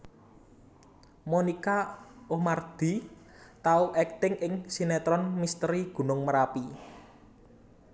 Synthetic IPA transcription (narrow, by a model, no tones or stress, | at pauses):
monikaomard̪̥i̤ | t̪auʔɛk̚t̪ɪŋɪŋsinet̪ɾɔnmist̪əɾiɡ̥ṳnʊŋməɾapi